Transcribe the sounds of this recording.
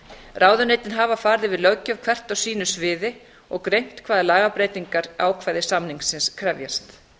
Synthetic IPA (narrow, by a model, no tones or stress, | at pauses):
rʔaːwðʏnejt̪ɪnɦaːvafaːɾðɪvɪðlœɥcœvkʰvɛr̥t̪awsiːnʏsvɪːðɪ | ɔɣkɾejm̥t̪kʰvaːðɪlaːɣapɾeːjt̪iŋkaɾaːwkʰvaːjðɪsamniŋksɪnskʰɾɛvjast̪